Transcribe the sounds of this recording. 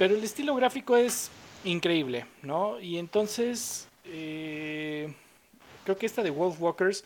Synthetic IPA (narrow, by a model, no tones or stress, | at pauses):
pe̞ɾo̞ele̞st̪ilo̞ɣ̞ɾafiko̞e̞siŋkɾe̞iβle̞no̞ient̪o̞nse̞s | e | kɾe̞okeest̪aðewolfwokeɾs